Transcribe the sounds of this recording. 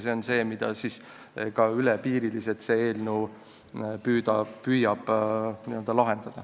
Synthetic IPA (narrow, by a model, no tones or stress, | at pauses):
seonse̞ːmid̪̥ɑ̰siːs | kɑylɛpiːɾiliset̪seeːlnuː | pyːd̪ɑpyjɑb̥niø̞ld̪̥ɑlɑɦe̞nd̪̥ɑd̪̥ɑ